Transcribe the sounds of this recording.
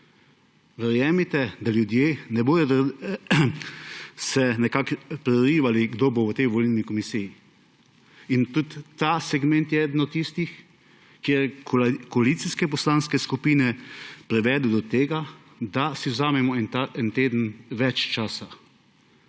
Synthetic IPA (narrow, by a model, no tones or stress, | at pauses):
ʋɛɾjɛːmit̪ɛd̪aljud̪jeːnɛboːd̪ɔd̪a | sɛnɛkakpɾɛɾiːʋaliɡd̪oboʋət̪ɛjʋɔlilnikɔmisiji | int̪ut̪ːasɛɡmɛnt̪jɛɛd̪ənɔt̪ːist̪ix | kːeɾkkɔalit̪siskɛp̬ɔslaːnskɛskupiːnɛpɾɛʋɛːd̪ɛd̪ɔt̪eːɡa | d̪asiwzaːmɛmɔɛt̪aɛnt̪eːd̪ənʋɛt͡ʃt͡ʃaːsa